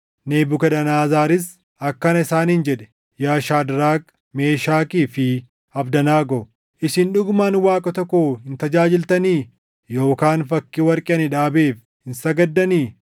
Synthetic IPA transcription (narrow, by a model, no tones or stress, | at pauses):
neːbʊkɐdɐnaːzaːɾɪs | ɐkːɐnɐɪsaːnhɪnd͡ʒɛᶑɛ̥ | jaːʃaːd̪ɾaːk | me̞ːʃaːkiːfɪ | ɐbd̪ɐnaːɡɔ | ʔɪsɪnᶑʊɡmaːnwaːkʼɐt̪ɔkːohɪnt̪ɐd͡ʒaːd͡ʒɪlt̪ɐniː | jo̞ːkaːnfɐkːiwɐɾkʼɪɐnɪᶑaːbeːf | hɪnsɐɡɐd̪ːɐniː